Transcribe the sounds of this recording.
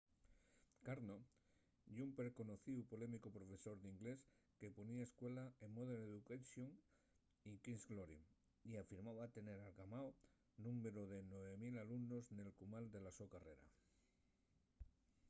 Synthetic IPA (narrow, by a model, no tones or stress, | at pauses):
kaɾno | ʝumpeɾko̞no̞θiupo̞le̞mikopɾo̞fe̞so̞ɾðiŋɡle̞s | ke̞po̞niaeskwe̞laemmoðeleðukaʃjoŋ | ikinzɡloɾi | iafiɾmaβat̪e̞ne̞ɾalɣamao | nũmeɾoðe̞nwe̞βemilalumno̞zne̞lkumald̪e̞lasokare̞ɾa̰